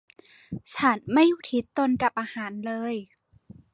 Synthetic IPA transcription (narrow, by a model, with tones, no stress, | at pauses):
t͡ɕʰa˦˥nma˥˩jːuː˨˩t̪ʰi˦˥t̪ːo˧nka˨˩p̚ʔaː˧haː˩˦nlɤː˧j